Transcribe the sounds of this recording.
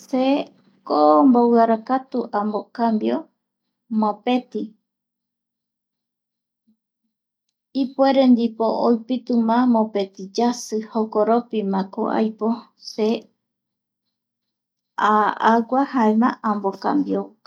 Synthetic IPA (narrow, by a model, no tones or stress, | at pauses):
se | kombowaɾakat̪uʔãmbokambjo | mõpe̞t̪i | ipueɾend̪ipoojpit̪umãmõpe̞t̪id͡ʒasɨhokoɾopimãko̰ʔa̰jpo | se | aaɡahaemã̰ʔãmboka̰mbjo